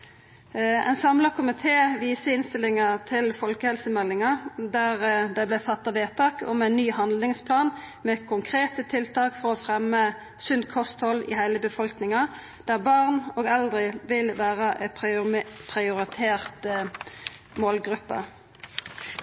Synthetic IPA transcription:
ɛ̰ɪnsɑmlɑkʰʊmɪt̪ʰeːʋiːsəɪnst̪ɪlɪŋɑt̪ʰɪlfɔlkəhɛlsəmɛlːɪŋɑd̪æːʁd̪ɛblæfɑt̪ːɑʋeːt̪ʰɑːkɔ̰mæɪnːyːhɑnd̪lɪŋspʰlɑːnmeːkʰʊŋkʰʁeːt̪ət̪ʰɪlt̪ʰɑːkfɔʁɔfʁɛmːə | sʉnd̪kʰɔst̪hɔlːḭhæɪləbəfɔlknɪŋɑ | d̪̥æːʁbɑʁnoːɡɛld̪ʁəʋɪlʋæːʁəʔɛ | pʰʁɪʊʁɪt̪ʰeːʁt̪ | moːlɡʁʉpːə̰

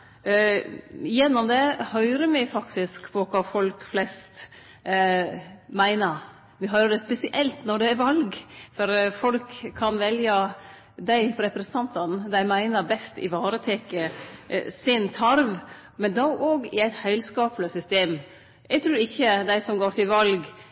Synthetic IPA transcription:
jɛnːɔmd̪ɛhœʏɾəɾmɪɪfɑkt̪ɪskpʰɔkʰɑːfɔlkflɛst̪ | mæɪnəɾ | ʋɪɦœʏɾəɖ̪ɛspɛsɪʔɛlt̪nɔɖɛːɾʋɑlɡfɔɾfɔlkʰːɑnʋɛljə | d̪æɪpɾɛpɾɛsənɑnt̪ɑnd̪æɪmæɪnəɾbɛst̪ɪ̰ʋɑːɾət̪ʰeːkə | sɪnt̪ʰɑɾʋ | mɛnd̪ɑʔoːɡɪæɪt̪hœɪlskɑːpləsʏst̪eːm | ʔɛɡt̪ʰɾʉːɾɪçːəd̪æɪsɔmɡoːɾt̪ʰɪlʋɑlɡ

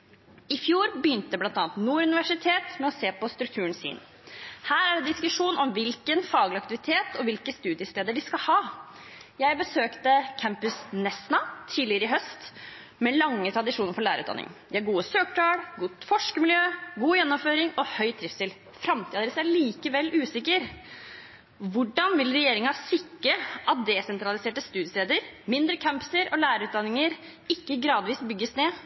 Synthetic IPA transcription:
ɪfjuːɾbyːnt̪əəblɑnt̪ɑːɑnt̪nuːɾʉnɪʋæʂɪt̪ʰeːt̪mɛɔseːpɔst̪ɾʉk̚t̪ʰʉːənsḭːn | hæːɾæɖɛd̪ɪskʉʂuːnɔmʋɪlkənfɑːɡlɪɑkt̪ɪʋɪt̪ʰeːt̪ʰɔʋɪlkəst̪ʉːd̪ɪəst̪eːd̪əɖɪskɑlhɑː | jæɪbəsøːkt̪əkʰæmpʉsnɛsnɑt̪ʰiːlɪəɾəɪɦœst̪ | mɛlɑŋːət̪ʰɾɑd̪ɪʂuːnəɾfɔɭæːɾəʉ̰ːt̪ɑ̰nɪ̰ŋd̪ææɡuːəsøːkʈ̪ʰɑːɽɡʊt̪fɔʂkəmɪljøːɡuːjɛnːɔmføːɾɪŋɔhœʏt̪ʰɾɪfst̪ɪl | fɾɑmt̪ʰɪːɑd̪eɾəsæɭiːkəʋɛlʔʉːsɪkːəɾ | ʋʊɖɑnʋɪlɾɛjeːɾɪŋɑsɪkːɾəʔɑt̪̚d̪ɛsɛnt̪ɾɑlɪseːʈəst̪ʉːd̪jəsɾeːd̪əɾmɪnd̪ɾəkʰæmpə̥səɾʔɔlæːɾəɾʉːt̪d̪ɑnːɪŋəɾ | ɪkːəɡɾɑːd̪ʋiːsbʏɡːəsneː

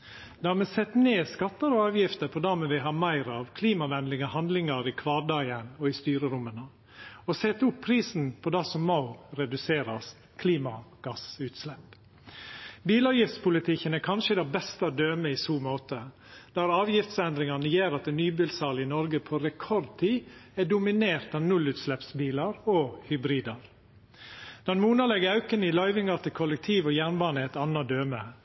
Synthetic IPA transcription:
d̪̥hɑmɛsɛt̪ːneːskɑt̪ːəɾɔɑːʋjɪft̪əpʰɔd̪ɑːmɛʋɪɦɑːmæɪɾɑʋkʰliːmɑʋɛnlɪŋəhɑnd̪lɪŋɑɾɪkʰʋɑːɖɑɪənɔɪst̪yːɾəɾʊmːənə | ɔsɛt̪ːʊpʰːɾiːsnpʰɔd̪ɑsɔmmːoʊɾɛd̪ʉseːɾɑskʰliːmɑɡ̥ɑsʉːt̪slɛp | biːlɑːʋjɪft̪spʊlɪt̪ʰɪkːənɛkʰɑnʃəd̪ɛbɛst̪əd̪øːməɪsuːmoːt̪ə | d̪̥æɾɑːʋjɪft̪sɛnd̪ɾɪŋɑnəjeːɾɑt̪̚ɛnːyːbiːlsɑːlɪnɔɾɡəpʰoɾɛkʰɔɾd̪̚t̪ʰiːɛɖʊmɪneːɾt̪ɑːnʉlʉːt̪slɛpsbiːlɑɾoːhʏbɾiːd̪ɑɾ | d̪̥ɛnmuːnɑlɛɡəɑʉkənəɪlɑɪʋɪŋɑɾt̪ʰɪlkʰɔlək̚t̪ʰiːʋɔjæːnbɑːnəɛt̪ɑnːɑd̪øːmə̰

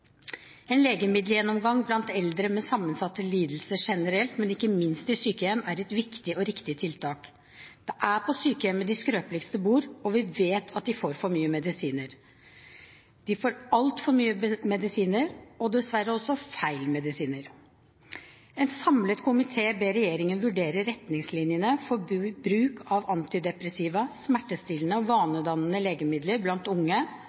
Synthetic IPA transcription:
ɛnleːɡəmɪd̪ljɛnːɔmɡɑŋblɑnt̪ɛld̪ɾəmɛsɑmːənsɑt̪ːəliːd̪l̩səʂɛnəɾɛlt̪mɛnɪkːəmɪnst̪ɪsyːkəjɛmæɾɛt̪ʋɪkt̪ɪɔɾɪkt̪ɪt̪ʰɪlt̪ʰɑːk | d̪̥ɛʔæpʰɔsyːkəjɛmːəd̪ɪskɾøːplɪkst̪əbuːɾɔʋɪʋeːt̪ʰɑt̪̚d̪ɪfoːɾfɔɾmyːəmɛd̪ɪsiːnəɾ | d̪̥ɪfoːɾɑlt̪fɔɾmyːəmɛd̪ɪsiːnəɾɔd̪ɛsʋæɾəɔsːɔfæɪlmɛd̪ɪsiːnəɾ | ɛnsɑmlət̪kʰʊmɪt̪ʰeːbeːɾɛjeːɾɪŋənʋʉɖeːɾəɾɛt̪nɪŋslɪnjənəfɔbɾʉːkʰɑʋɑnt̪ɪd̪ɛpɾəsiːʋəsmæʈːəst̪iːlnəɔʋɑːnəd̪ɑnənəleːɡəmɪd̪ləɾblɑnt̪ʊŋːə

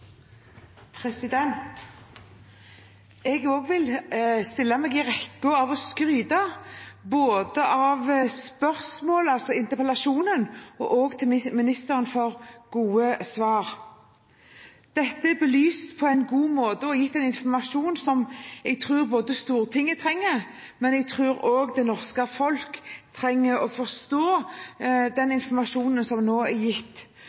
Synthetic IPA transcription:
pʰɾɛsɪd̪ɛnt̪ | ɛɡoːɡʋɪlst̪ɪlːɑmɛːɡɪʁɛkːʊɑʋɔskʁyːd̪ɑboːd̪əʔɑʋspœʁsmoːləɑlsɔɪnt̪əpʰɛlɑʃuːnənɔ̰ʔoːɡt̪ʰɪlmɪnɪst̪əɾənfɔʁɡ̥uːəsʋɑːʁ | d̪̥ɛt̪ːəbəlyːst̪pʰɔɛɪnɡuːmoːd̪əɔjɪt̪ːɛɪnɪnfɔmɑʂuːnsɔmɛɡ̚t̪ʰʁʉːɾboːd̪əst̪uːɾət̪ʰɪŋːət̪ʰɾɛŋːəɾ | mɛnɛɡ̚t̪ʰʁʉːɾoːɡd̪ɛnɔʁskəfɔlkt̪ʰɾɛŋːəɾɔfɔst̪oː | d̪ɛnɪnfɔmɑʂuːnənsɔmnoːɛɾjɪt̪ː

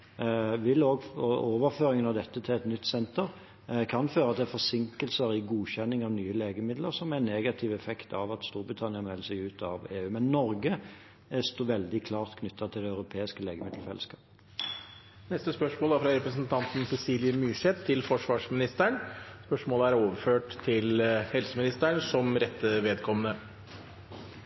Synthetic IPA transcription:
ʋɪloːɡɔoːʋəɾføːɾɪŋənɑʋd̪ɛt̪ːət̪ʰɪlɛt̪nʏt̪ːsɛnt̪əɾ | kʰɑnføːɾɑt̪d̪ɛæfɔsɪŋkəlsəɾɪɡuːçɛnːɪŋɑʋnyːəleːɡəmɪd̪ləɾsɔmæneːɡɑt̪ʰɪʋɛfɛkt̪ʰɑ̰ʋɑt̪st̪uːɾbɾɪt̪ʰɑnɪənmɛləsæɪʉːt̪ʰɑʋeːʉːmɛnːɔɾɡə | st̪oːʋɛld̪ɪkʰlɑːʁt̪kʰnʏt̪ʰːɑt̪ʰɪld̪ɛɑʉɾʊpʰeːɪskəleːɡəmɪd̪l̩fɛ̰ləskʰɑːp | nɛst̪əspœʂmoːlɑfɾɑɾɛpɾəsənt̪ʰɑnt̪n̩sɛsiːlɪəmyːʂɛt̪ʰːɪlfɔʂʋɑːʂmɪnɪst̪əɳspœʂmoːləæɾoːʋəɾføːʈt̪ʰɪlhɛlsəmɪnɪst̪əɳsɔmɾɛt̪ːəʋeːd̪kʰɔmənə

